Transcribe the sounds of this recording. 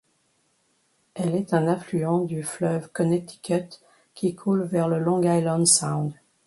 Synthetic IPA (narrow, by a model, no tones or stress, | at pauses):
ɛlɛt̪ɛ̃nɛ̃flyɑ̃d̪yflœvkɔnet̪ʰi̥kʲʰɛt̪ | kʲikʰulvɛʁləlɔ̃ɡajlɑ̃d̪sãw̃d̪